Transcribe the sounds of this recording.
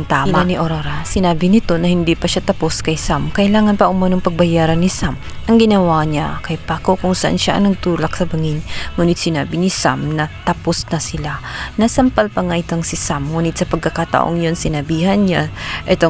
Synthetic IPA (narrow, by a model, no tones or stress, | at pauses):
ŋt̪aːmaaniʔoɾoɾɐsɪnaːbɪnɪt̪o̞nɐhɪnd̪ipɐʃat̪ɐpo̞skɐjsamkɐʔɪlaːŋɐnpɐʔʊmɐnoŋpɐɡ̚bɐjaːɾɐnːɪsam | ʔɐŋɡɪnɐwaɲa̰kɐjpakokʊŋsɐʔa̰nʃaʔɐ̰ŋnɐɡ̚t̪uːlɐksɐbɐŋinŋuːnɪt̪sɪnaːbɪnɪsa̰mnɐt̪ɐposnɐsɪlanɐsɐmpalpɐŋaʔɪt̪oŋsɪsamŋuːnɪt̪̚sɐpɐɡ̚kɐkat̪ɐ̰ʔo̰ŋjonsɪnɐbiːhɐnɲaʔɛt̪o